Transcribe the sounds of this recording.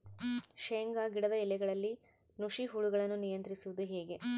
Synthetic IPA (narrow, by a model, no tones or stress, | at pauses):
ʃeːŋɡaɡiɽɐd̪ɐilːɛɡɐɭɐlːi | nuʂiɦuɭuɡɐɭɐnːunijɐnt̪ɾisuʋud̪uɦeːɡe̞